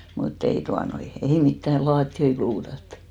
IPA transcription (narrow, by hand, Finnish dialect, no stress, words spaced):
mutː ei tuɑnoi ei mitːæ lɑːtːioi kluːtɑt